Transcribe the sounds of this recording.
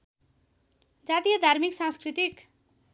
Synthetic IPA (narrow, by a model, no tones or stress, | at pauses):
d͡zat̪ijʌd̪ʱaɾmiksãskɾit̪ik